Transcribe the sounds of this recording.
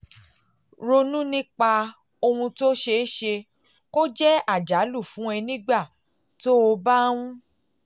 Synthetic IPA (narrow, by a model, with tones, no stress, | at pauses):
ɾo˧nũ˦nĩ˦k͡pa˧ | o˧hũ˧to˦ʃe˧˦ʃe˧ | ko˦d͡ʒɛ˦a˦˨d͡ʒa˨˦lu˦˨fũ˨˦ɛ˧nĩ˦ɡ͡ba˦˨ | to˦o˧ba˦w̃ũ˦